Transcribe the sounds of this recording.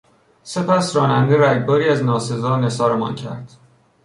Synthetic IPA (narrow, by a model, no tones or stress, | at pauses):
se̞pæsɾɒːnænd̪eɾæɟbɒːɾiːæznɒːse̞zɒːne̞sɒːɾemɒ̰ncʰæ̰ɾd̪̥